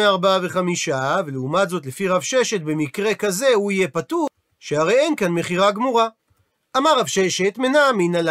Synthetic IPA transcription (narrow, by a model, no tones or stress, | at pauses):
eaʁbaave̞χamiʃaveleumat̪zo̞t̪lefiʁavʃe̞ʃe̞t̪̚be̞mikʁe̞kaze̞huijepatu | ʃeaʁe̞je̞nkanme̞χiʁaɡmuʁa | ʔamaʁavʃe̞ʃe̞t̪menaːminal